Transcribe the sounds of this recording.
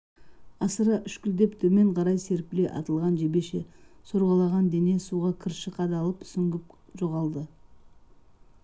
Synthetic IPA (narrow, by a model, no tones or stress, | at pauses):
ɑsəɾɑʔʏʃkʲʏld̪e̞pt̪ʰɵme̞ɴqʰɑɾɑjse̞ɾpʲɪleʔɑ̰t̪əlˠʁɑnʒebe̞ʃe̞̰soɾʁɑlˠɑʁɑnd̪e̞ne̞suʁɑkʲʰɪɾʃəqɑd̪ɑlˠəpsʏŋɡʲɪp̚ | ʒoʁɑlˠd̪ə